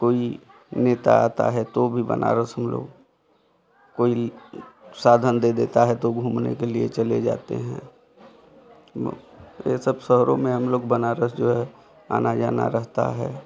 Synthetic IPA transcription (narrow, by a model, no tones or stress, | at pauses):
koːi | neːt̪a̰aːt̪a̰ɦɛt̪obʱibə̰nʔa̰ːɾəsɦəmlo̰ːɡ | koːi | saːd̪ʱənd̪ed̪eːt̪aɦɛt̪oɡʱuːmnḛkeliet͡ʃəled͡ʒa̰ːt̪eɦɛ̰̃ | esəbsəɦɾõmẽɦəmloːɡbənaːɾəsd͡ʒoːɦɛ | a̰ːnad͡ʒaːna̰ɾəɦt̪a̰ɦɛ̰ː